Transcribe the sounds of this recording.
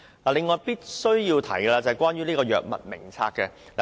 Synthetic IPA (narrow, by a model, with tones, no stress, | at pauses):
aː˨lɪ˨˧ŋːɔː˨˧jpiː˥t̚sɵ˥ɥjiː˧wt̪ʰɐ̰˨˥jkɛː˧laː˧t͡sɐ˨hjkʷwaː˥nɥyː˥liː˥kɔː˧jœ̰ː˨k̚mɐ̰˨t̚mɪ̰˨˩ŋt͡sʰa̰ː˧kːɛ˧ | le˨